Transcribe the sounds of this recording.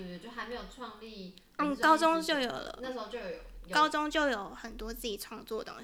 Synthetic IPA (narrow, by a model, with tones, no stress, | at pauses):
jo˥˩xa˧˥ɪme˧˥ɪjo˨˩ʊʈ͡ʂʰwɑ˥˧ŋli˥˩ | n̩˥˩kɑ˦˥ʊt͡sʊ˥ŋt͡ɕjo˥˩ʊjo˨˩ʊlə̰˧˦na˥˩ʂ̩˧˥o˥˧t͡ɕjo˥˧˩ʊ˨kɑ˥ʊt͡sʊ˥ŋt͡ɕjo˥˩ʊjo˨˩˦ʊxə˨˩nt̪wɔ˥t͡sɹ̩˥˩t͡ɕi˨˩ʈ͡ʂʰwɑ˥˧ŋt͡swɔ˥˨˩t̪ʊ̰˥ŋ